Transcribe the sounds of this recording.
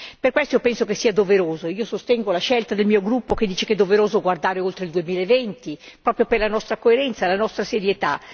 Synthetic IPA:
perkwɛst̪oopɛnsokesːiːad̪oveɾoːzoiːosost̪ɛŋɡolaʃɛlt̪ad̪elmiːoɡɾupːoked̪ːiːt͡ʃeked̪ːoveɾoːzoɡward̪aːɾeolt̪ɾeild̪uemiːlaevɛnt̪i | pɾɔːpɾjoperlanɔst̪ɾakoeɾɛnt̪salanɔst̪ɾaseɾjet̪a

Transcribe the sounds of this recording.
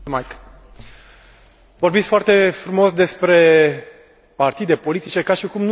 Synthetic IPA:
majk | vo̞rbit̪sʲfoart̪e̞fɾumo̞sd̪e̞spɾe̞ | part̪id̪e̞po̞lit̪it͡ʃe̞kaʃikumn

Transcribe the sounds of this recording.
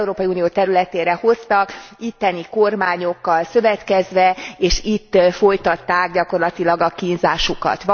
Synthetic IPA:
uɾoːpɒiuːnijoːt̪ɛɾylɛt̪eːɾɛho̞st̪ɒkit̪ːɛniko̞rmaːɲo̞kːɒlsø̞vɛt̪kɛzʋɛeːʃit̪ːfo̞jt̪ɒt̪ːaːɡɟɒko̞rlɒt̪ilɒɡɒkinzaːʃukɒ̰t̪ʋ

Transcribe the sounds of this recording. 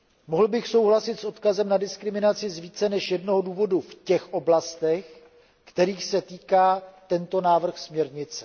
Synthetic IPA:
moɦl̩bɪxso̞wɦlasɪt̪sʔo̞t̪kazɛmnadɪskɾɪmɪnat͡sɪzviːt͡sɛnɛʃjɛdno̞ɦoduːvo̞dufcɛxʔo̞blast̪ɛx | kt̪ɛɾiːxsɛt̪iːkaːt̪ɛnt̪o̞naːvr̩xsmɲɛɾɲɪt͡sɛ̥

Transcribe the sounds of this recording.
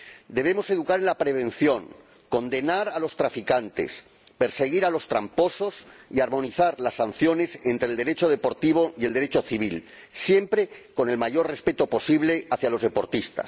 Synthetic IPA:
d̪e̞βe̞mo̞se̞ðukaɾenlapɾe̞β̞ẽ̞nθjo̞ŋ | ko̞nd̪e̞naɾalo̞st̪ɾafikant̪e̞̰s | pe̞ɾse̞ɣ̞iɾalo̞st̪ɾampo̞so̞siaɾmõ̞niθaɾlasːan̟θjo̞ne̞se̞nt̪ɾeːld̪eɾe̞t͡ʃo̞ð̞e̞po̞ɾt̪iβ̞o̞ie̞ld̪e̞ɾet͡ʃo̞θiβ̞il | sje̞mpɾe̞ko̞ne̞lmaʝo̞rre̞spe̞t̪o̞po̞siβle̞aθjalo̞zð̞e̞po̞ɾt̪ist̪a̰s

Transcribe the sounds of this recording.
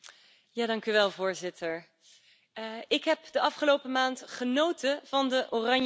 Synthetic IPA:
jaːdɑŋkyʋɛlˠvʊːɹzɪtʰəɹ | ɪkɦɛpdəɑfχəlowpəmaːntχənowtəv̥ɑndəʔorɑɲ

